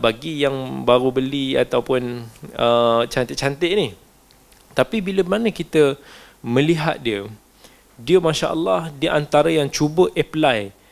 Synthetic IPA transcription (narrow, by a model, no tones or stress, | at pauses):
baɡijaŋbaɾubəlia̰t̪awpʊnət͡ʃant̪ɪt̚t͡ʃant̪ɪʔ̚nih | t̪apibiləmanəkit̪ə | mə̃liɦa̰t̪̚diə | diəmãʃa̰ʔəlːɑhdiʔant̪aɾajaŋt͡ʃubəʔɛplaj